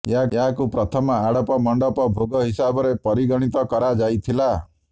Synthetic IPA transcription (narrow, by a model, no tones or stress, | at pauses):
jɦajaɦakupɾɔt̪ʰɔmɔaɽɔpɔmɔɳɖɔpɔbʱoɡɔɦisabɔɾepɔɾiɡɔɽ̃it̪ɔkɔɾad͡ʒajt̪ʰila